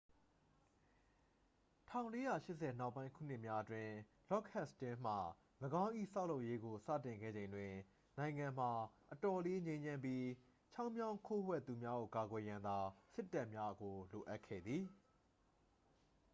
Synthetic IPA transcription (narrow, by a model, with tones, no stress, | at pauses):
tʰã̰˦˨ʊ̃le˦ja˦˨ʃɪ˦ʔsɛ˨na˦ʊpːã˦ɪ̃ŋkʰṵ˦˨n̥ɪ˦ʔmja˦ʔətwɪ̃˦ | lɔ˦˨kʰɛ˦stɪ̃˦m̥a˨ | ləɡã˦ʊ̃ʔḭ˦˨sa˦ʊ˨lo˦ʊʔje˦ɡo˨sä̰˦˨tɪ̃˨ŋɡɛ̰˦˨d͡ʑẽ˨ɪ̃ndwɪ̃˨ | nã˨ɪ̃ŋã˨m̥a˨ʔətɔ˨le˦ɲẽ˦ɪ̃ɲd͡ʑã˦mpji˦ | t͡ɕʰa˦ʊʔmjã˦ʊ̃ŋkʰo˦wɛ˦˨t̪u˨mja˦ɡo̰˦˨ka˨ɡwɛ˨jã˨nd̪a˨sɪ˦tːa˦ʔmja˦ɡo˨lo˨ʔa˦ʔkʰːɛ̰˦˨d̪ði˨